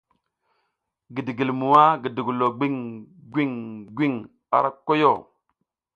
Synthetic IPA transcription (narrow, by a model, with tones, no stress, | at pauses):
ɡi˨di˨ɡi˨lmu˨wa˦ɡi˨di˨ɡu˨lo˨ɡ͡bi˦ŋɡʷi˦˨ŋɡʷi˦ŋ | a̰˨ɾa˦kːo˦jo˦˨